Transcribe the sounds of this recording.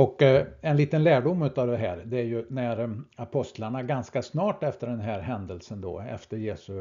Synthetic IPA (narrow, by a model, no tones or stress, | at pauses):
ɔkːɛnliːt̪ənlæːɖʊmːʉ̟ːt̪ɑvd̪ɛɦæ̰ːɾd̪ɛæɾjɵnæɾapʰɔst̪laɳaɡanskasnɑːʈɛft̪əɖɛnɦæːɾɦɛnd̪əlsənd̪ɔ̰ːɛ̰ft̪əɾjeːsɵ